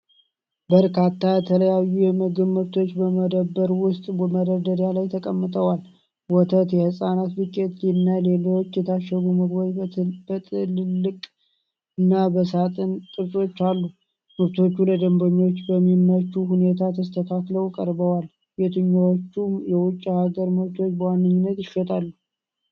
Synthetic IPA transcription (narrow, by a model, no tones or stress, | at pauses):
bəɾkat̪ʰːajɛt̪ʰələjajːujɛmɨɡɨβmɨβt̪ʰo̞t͡ʃːbəməd̪əbːəɾwʊst̪ʼbəməd̪əɾd̪əɾjalajt̪ʰəkʼəmːɨt̪ʼəwal | wɔt̪ʰət̪jɛhɨsʼanat̪bɨkʼːet̪linːale̞lo̞t͡ʃːjɛt̪ʰaʃːəɡuməɡwab̥ət̪ʰɨllːɨkʼ | ɨnːabəsat̪ʼɨnt̪ʼɨɾsʼo̞t͡ʃːalːu | mɨɾt̪ʰo̞t͡ʃːuləd̪əmbəɲːo̞t͡ʃːbəmːimnət͡ʃːuhune̞t̪ʰat̪ʰəst̪ʰət̪ʰakləwkʼəɾbəwal | bet̪ʰɨɲːawot͡ʃːumjɛwʊt͡ʃʼːhaɡəɾmɨɾt̪ʰo̞t͡ʃːbəwanːɨɲːɪnːət̪jɪʃɛt̪ʰʼalːu